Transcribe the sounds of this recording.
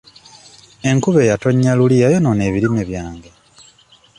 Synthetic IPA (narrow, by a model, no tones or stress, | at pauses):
e̞ŋkuβe̞jato̞ɲːaluliajonone̞ːβilime̞βjaːŋɡe̞